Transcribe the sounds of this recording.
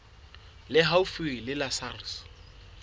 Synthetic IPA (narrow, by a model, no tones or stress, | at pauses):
lɪɦaufwelɪlasaris